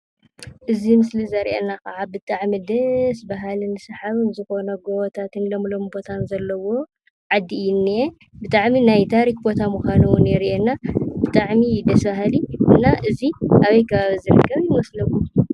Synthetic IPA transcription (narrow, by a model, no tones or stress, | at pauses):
ʔɨzimɨslizɐɾʔḛnːakaʕabɨt̪ʼaʕmid̪ɐsbaɦalɨnɨsɐħaβɨnzɨxo̞nɐɡot̪ʰat̪ʰɨnlomlo̞mbo̞t̪ʰanzɐlːɐwo̞ | ʕad̪ːijɪnːe | bɨt̪ʼaʕminajt̪ʰaɾik̚bo̞t̪ʰamuxʷanuwnɛɾiʔenːabɨt̪ʼaʕmid̪ɐsbaɦaliʔɨnːaʔɨziʔaβɐjkʰɐβaβizɨɾɨ̰kʰːɐβjɪmɐslɐβu